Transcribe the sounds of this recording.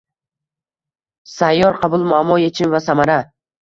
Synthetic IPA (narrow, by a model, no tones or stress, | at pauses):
sajɒɾqʰɑbʊlˠmʊamːɒjet͡ʃʰɪnvasamaɾa